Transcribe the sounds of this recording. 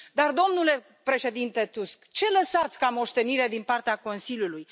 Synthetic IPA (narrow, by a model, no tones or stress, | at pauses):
d̪ard̪o̞mnule̞ | pɾe̞ʃe̞d̪int̪e̞t̪uskt͡ʃe̞ləsat̪sʲkamo̞ʃt̪e̞niɾe̞d̪inpart̪eako̞nsiljuluj